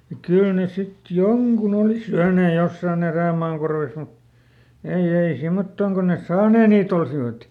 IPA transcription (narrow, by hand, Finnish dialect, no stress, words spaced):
jɑ kyl ne sit joŋkun oˑli syæneː josːɑˑn eræˑmɑːn korʋes mut ei ei simːotːoˑŋ kon nes sɑːneː niːt olsiʋɑt